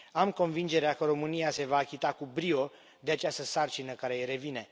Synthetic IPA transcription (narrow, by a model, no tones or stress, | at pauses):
amko̞nvind͡ʒe̞ɾeakəɾo̞mɨnijase̞vaːkʲit̪akubɾio̞ | d̪eat͡ʃast̪əsart͡ʃinəkaɾe̞eɾe̞vine̞